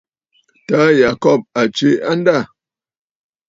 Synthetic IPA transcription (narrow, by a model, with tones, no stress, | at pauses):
ta˨˦ja˨kɔ˦˨p̚a˨t͡ʃe˨˦a˦n˦da˦˨